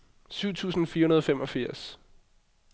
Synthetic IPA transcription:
syʊ̰t͡sʰṵːsn̩fiːɐhunɐð̞ˠɒfemɒ̽fiɐ̰s

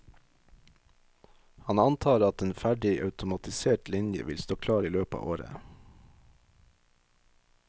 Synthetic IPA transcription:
hɑnɑnt̪ʰɑːɾɑt̪eːnfæɖɪʔɑʉt̪ʊmɑt̪ɪseːʈlɪnjə̰ʋɪlst̪oːkʰlɑːɾiːløːpɑ̰ːʔoːɾə̰

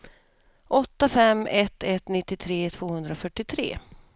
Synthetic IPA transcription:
ʔɔt̪ːafɛmːɛt̪ːɛt̪nɪt̪ːɪt̪ʰɾeːt̪ʰvoːhɵnd̪ɾafœʈːɪt̪ʰɾḛː

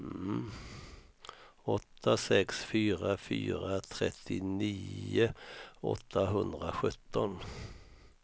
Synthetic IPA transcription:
m̩ | ɔt̪ʰːasɛksfyːɾafy̰ːɾat̪ʰɾɛt̪ʰːɪniːʊɔ̰t̪ʰːaɦɵnd̪ɾaɧɵt̪ːɔn

